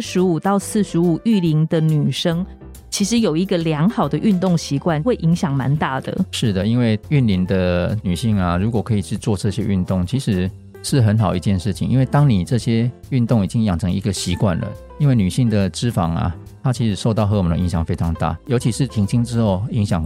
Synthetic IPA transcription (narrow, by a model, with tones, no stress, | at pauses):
ʂɻ̩˧˥u˨˩t̪ɑ˥˧ʊsɹ̩˥˩ʂɻ̩˧˥u˨˩y˥˩li˧˥ŋd̪ə˧ny˨˩ʂɤ˥ŋ | t͡ɕʰi˧˥ʂɻ̩˧˦jo˨˩ʊi˧˦˥ɡə˨ljɑ˧˥ŋxɑ˨˩ʊd̪ə˦ʔy˥˧nt̪o˥˩ŋɕi˧˦kwa˥˨nxwe˥˩ɪʔi˧˥ŋɕjɑ˨˩ŋma̰˧˦nt̪a˥˩d̪ə̰˩ʂɻ̩˥˩d̪ə˩i˦˥nwe˥˩ɪy˥˨nli˧˥ŋd̪ə˧ny˨˩ɕi˥˩ŋa˨ɻu˧˥kwɔ˨˩kʰɤ˧˥i˨˩t͡ɕʰy˥˧t͡swɔ˥˧ʈ͡ʂɤ˥˧ɕjɛ˦ʔy̰˥˧nt̪ʊ˥˩ŋt͡ɕʰi˧˥ʂɻ̩˧˥ | ʂɻ̩˥˩xə˧˦˥nxɑ˨˩ʊi˧˥t͡ɕjɛ˥˧nʂɻ̩˥˩t͡ɕʰi˨˩ŋʔḭ˧˥nwe˥˩ɪt̪ɑ˥ŋni˨˩ʈ͡ʂɤ˥˧ɕjɛ˦ | y˥˧nt̪ʊ˥˩ŋi˨˩t͡ɕi˦˥ŋjɑ˨˩ŋʈ͡ʂʰɤ˧˦ŋḭ˧˥ɡə˨ɕi˧˥kwa̰˥˩nlə̰˩ | i˥nwe˥˩ny˨˩ɕi˥˩ŋd̪ə˨ʈ͡ʂɻ̩˥fɑ̰˨˩ŋa̰˨˩ | t̪ʰa˦˥t͡ɕʰi˧˥ʂɻ̩˧˥ʂo˥˧ʊt̪ɑ˥˩ʊxɤ˧˥wɔ˨m˨nə̰˧˩i˧˥ɕjɑ˨˩ŋfe˥ɪʈ͡ʂʰɑ˧˥ŋt̪a̰˥˩jo˧˥ʊt͡ɕʰi˧˥ʂɻ̩˥˩t̪ʰi˧˥ŋt͡ɕʰi˥ŋʈ͡ʂɻ̩˥˦xo˥˩ʊi˧˥ŋɕjɑ˨˩ŋ